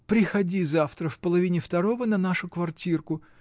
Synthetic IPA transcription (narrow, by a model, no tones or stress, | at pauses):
pɾʲɪxɐdʲizaft̪ɾəfpəlˠɐvʲinʲɪft̪ɐɾo̞vənɐnaʂʊkvɐrtʲirkʊ